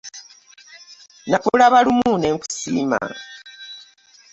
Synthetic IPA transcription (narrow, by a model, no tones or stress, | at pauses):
nakulaβalumuːne̞ːŋku̥sḭːma̰